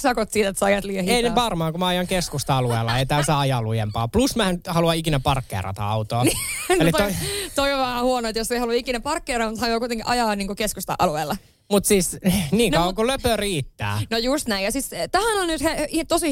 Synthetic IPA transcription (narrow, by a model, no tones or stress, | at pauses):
sɑkot̪siːt̪et̪sɑjɑt̪liehieineʋɑrmɑːkumæɑjɑŋkeskust̪ɑɑlueˑːlːɑeit̪æsɑːɑjɑːlujempɑːplusmænt̪hɑluɑikinæpɑrkːḛrɑ̰t̪ɑ̰ɑ̰ut̪oːnelit̪ot̪oioʋʋɑːɑhuonoet̪josːeihɑluikinæpɑrkːeːrɑːmut̪hɑluɑkuit̪eŋkiʔɑjɑːniːŋkokeskust̪ɑ̰ʔɑlueːlːɑ | mut̪siːsniːŋɑwʋɑkuløpøriːt̪ːæ̰ːnojust̪næijɑsist̪æhænonnyt̪heit̪osi